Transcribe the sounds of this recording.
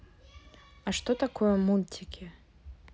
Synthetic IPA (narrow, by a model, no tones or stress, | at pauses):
ɐʂt̪ɔt̪akɔjɐmulʲtʰʲɪkʲʰɪ